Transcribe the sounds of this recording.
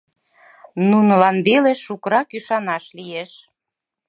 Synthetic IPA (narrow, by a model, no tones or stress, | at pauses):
nunə̆lɑnβeleʃukəɾɑkyʃɑnɑʃlijeʃ